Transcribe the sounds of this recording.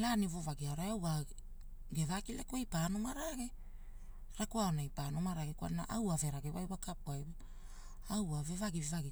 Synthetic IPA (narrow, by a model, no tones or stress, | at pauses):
lanivovaɡiaoɾaawa | ɡevakilekuejpaːnomaɾaɡe | ɾakuaonajpanomaɾaɡeka̰nnaʔawave̞ɾaɡewajwakapuajwa | awavevaɡivevaɡi